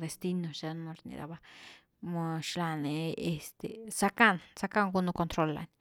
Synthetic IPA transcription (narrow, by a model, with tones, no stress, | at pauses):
d̪e˨st̪i˦no˨ʃe˧nmo˧ɾnḭ˨d̪a̰˧ba˧ | mo˧ʃla˧ne˨˧e˧st̪ḛ˨sa˦ka˦nsa˦ka˦ŋɡu˦no˧ko˧nt̪ɾo˧˦la̰˨nʲ